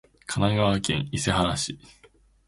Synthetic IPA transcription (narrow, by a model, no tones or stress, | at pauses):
kʰanaɡaβakẽŋise̞ɦaɾaɕi